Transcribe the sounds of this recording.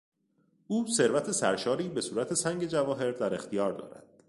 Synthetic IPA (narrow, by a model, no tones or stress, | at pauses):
ʔuːse̞ɾvæt̪ʰe̞sæ̰ɾʃɒːɾiːbe̞suːɾæt̪ʰe̞sæŋɟe̞d͡ʒævɒːɦe̞ɾd̪æɾext̪ʰijɒːɾd̪ɒ̰ːɾæ̰d̪̥